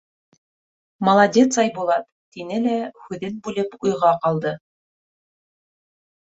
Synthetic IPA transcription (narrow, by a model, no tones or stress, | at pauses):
mɐlˠɑd̪ʲet̪sɑjbulˠɑt̪ːinɘlæhʉðɘnbʉlɘpujʁɑqɑlˠd̪ɤ